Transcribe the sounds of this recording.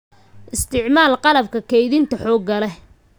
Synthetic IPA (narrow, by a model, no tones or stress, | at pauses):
ʔɪst̪ʰɪʕmaːlqɑlɐbkʰɐkʰɛjðɪnt̪ʰɐħɔːɡɐlɛ